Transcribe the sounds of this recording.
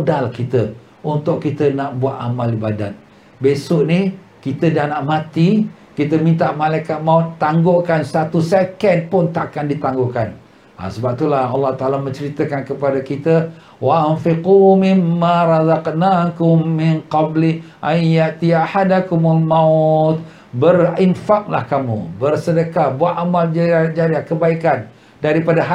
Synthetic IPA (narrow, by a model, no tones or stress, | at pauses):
udalahkit̪ə | unt̪ʊʔkːit̪ənaʔbuat̪amalibada̰t̪̚ | besʊʔni | kit̪ədanaʔmãt̪i | kit̪əmĩnt̪aʔmalajkat̪̚maut̪aŋɡoʔkansat̪usekənpʊnt̪akandit̪aŋɡoʔkan | a̰səbap̚t̪ulahɑlːɑht̪aʔalamə̃ɲt͡ʃəɾit̪əkankəpadakit̪ə | waanfiqumɪmːaɾɑzɑqnakʊmːɪnqɑbliʔajjaʔt̪iaħadakʊmalmat̪̚ | bərinfak̚la̰hkamṵbərsədəkabuat̪ʔamald͡ʒad͡ʒaɾiahkəbaikan | daɾipadaɦa